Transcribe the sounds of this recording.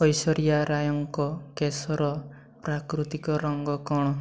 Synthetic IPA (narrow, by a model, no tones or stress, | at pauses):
ɔjsɔɾijaɾajɔŋkɔkesɔɾɔ | pɾakɾut̪ikɔɾɔŋɡɔkɔɽ̃ɔ